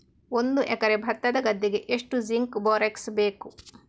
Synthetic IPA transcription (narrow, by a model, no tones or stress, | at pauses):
ond̪uʔɛkɐɾebʱɐt̪ːɐd̪ɐɡɐd̪ːiɡeʔeʂʈuziŋkboːɾeksbeːku